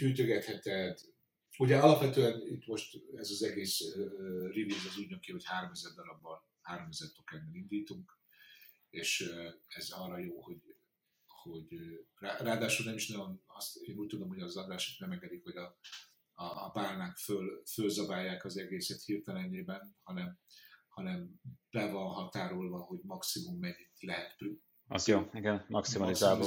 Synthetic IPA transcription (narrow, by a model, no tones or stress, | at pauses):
hyːt̪øɡɛt̪hɛt̪ɛd̪ | uɟɛɒlɒpʋɛt̪øɛnit̪mo̞ʃt̪ɛzɒzɛɡeːs | rivilɡɛzyɟnøkiho̞chaːɾomɛzɛrd̪ɒɾɒbːɒn | haːɾo̞mɛzɛrt̪okɛnːɛlind̪iːt̪uŋk | eːʃɛzɒrːɒjoːho̞ɟ | ho̞ɟraraːd̪aːʃulnɛmiʃnɒjo̞nɒst̪eːnuːc̚t̪ud̪o̞mho̞ɟɒzɒd̪aːʃo̥k̪nɛmɛŋɡɛd̪ikho̞ɟɒ | ɒːbaːrnakfølfølzɒbaːjːaːkɒzɛɡeːsɛt̪hirt̪ɛlɛneːbɛnhɒnɛmhɒnɛmb̥ɛvɒnɦɒt̪aːɾolvɒɦo̞ɟmɒksimumːɛɲːilɛɦɛt̪pry | ɒzjoːiɡɛnmɒkssimɒlisaːbo